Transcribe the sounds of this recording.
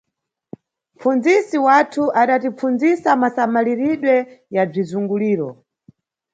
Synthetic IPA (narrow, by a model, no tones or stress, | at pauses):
m̩fund͡zisiwatʰuʔaɗatip͡fund͡zisamasamaliɾiɗwɛjab͡ʐizuŋɡuliːɾɔ̰